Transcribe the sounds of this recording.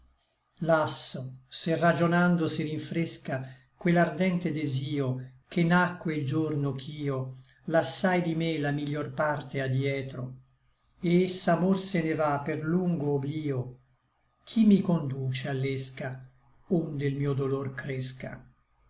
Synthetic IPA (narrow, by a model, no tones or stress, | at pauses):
lasːoserːad͡ʒonand̪osiɾiɱfɾeska | kwelːard̪ɛnt̪ed̪eziːok̟enːakːweild͡ʒornokʰiːo | lasːajd̪imelamiʎːorpart̪ead̪jɛːt̪ɾo | eesːamorsenevapːerluŋɡoːbliːo | k̟ʰimːikond̪uːt͡ʃealːeska | ond̪eilmiːod̪olorkɾeska̰